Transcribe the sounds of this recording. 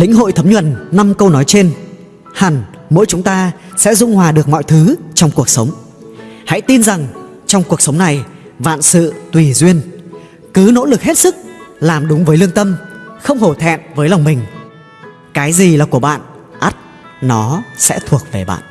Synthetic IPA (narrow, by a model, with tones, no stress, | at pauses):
lï˧˥ŋ̟ɦo̰˧˨jt̪ʰə˨˦mɲwə˧˩nːa˧mkə˧wnɔ˨˦jt͡ɕe˧n | ha˨˩nmo̰˧˥jt͡ɕʊ˨˦ŋ͡mt̪aː˧ | sɛ̰˧˥zʊ̰˧ŋ͡mhwaː˨˩ɗɨ˨˩ək̚mɔ̰˧˨jt̪ʰɨ˨˦t͡ɕɔ˧wŋ͡mku˨˩ək̚sə˨˦wŋ͡m | ha̰˧˥jt̪i˧nza˨˩ŋ | t͡ɕɔ˧wŋ͡mku˨˩ək̚sə˨˦wŋ͡mna˨˩j | va̰ː˧˨nsɨ̰˧˨t̪wi˨˩zwi˧ən | kɨ˨˦no̰˧˥lɨ˨˩k̚he˦˥t̚sɨ˦˥k̚laː˨˩mɗʊ˨˦ŋ͡mvəː˨˦jlɨ˧əŋt̪ə˧mxə˧wŋ͡mho˧˩t̪ʰɛ̰˧˨mvəː˨˦jla˨˩wŋ͡mmï˨˩ŋ̟ | kaː˨˦jzi˨˩laː˨˩ku˧˩əɓa̰ː˧˨n | ʔa˦˥t̚ | nɔ˨˦sɛ̰˧˥t̪ʰu˨˩ək̚ve˨˩ɓa̰ː˧˨nʔ